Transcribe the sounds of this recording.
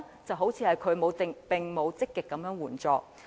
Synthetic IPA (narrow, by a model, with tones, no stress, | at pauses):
t͡sɐ˨wɦo˨˥wt͡sʰiː˧hɐ˨jkʰɵ˨˧ɥmo˨˧wt̪ɪ˨ŋpɪ˨ŋmo˨˧wt͡sɪ˥kːɪ˨kːɐ˨˥mjœː˨˥ŋwuː˨˩nt͡sɔː˨˧k̚